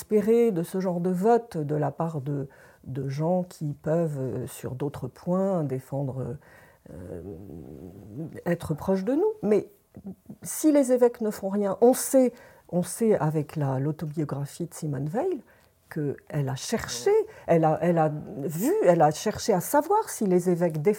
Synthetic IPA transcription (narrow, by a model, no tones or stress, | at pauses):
speʁed̪əsəʒɑ̃ʁd̪əvɔt̪d̪əlapaʁd̪ə | d̪əʒɑ̃kʲʰipœvøsy̰ʁd̪ot̪χəpwɛ̃d̪efɑ̃d̪ʁə̰ | ɛt̪χəpχɔʃ̬d̪ənumɛ | silezevɛknəfɔ̃ʁjɛ̃ʔɔ̃sɛ | ɔ̃sɛavɛklalɔt̪ɔbiɔɡʁafid̪əsimɔnvɛjl | kəɛlaʃɛʁʃeɛlaʔɛlavyɛlaʃɛʁʃeasavwaʁsilezevɛkd̪ef